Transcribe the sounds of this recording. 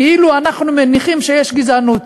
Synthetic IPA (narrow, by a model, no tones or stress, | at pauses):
keiluanaχnumeniχimʃejeʃɡizanut̪